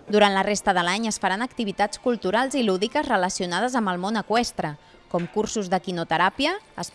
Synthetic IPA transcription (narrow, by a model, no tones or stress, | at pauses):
d̪uɾant̪lərest̪əðəlaɲəsfəɾanəkt̪iβit̪at͡skulˠt̪uɾalˠziluðikəzrələsiunaðəzəmbəlˠmonəkwɛst̪ɾə | kɔmkursuzðəkinut̪əɾapiəːs